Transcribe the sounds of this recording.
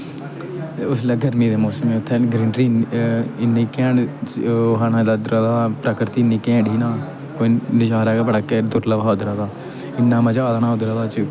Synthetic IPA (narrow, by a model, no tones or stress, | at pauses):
ʊslaːɡəɾmĩːd̪eːmoːsəmeːʊt̪ʰːeːɡɾɪɳɖɾiːɪnːiːkẽːɽt͡ʃːɦanãd̪aːd̪ɾad̪aːpɾəkɾt̪iːnːiːkẽːɽiːnaː | koːinɪʃaːɾaːɡːbəɽaːkeːd̪ʊɾləʋaʊd̪ɾaːd̪aː | ɪnːãːməd͡ʒaːd̪aːnaːʊd̪ɾaːd̪aːt͡ʃ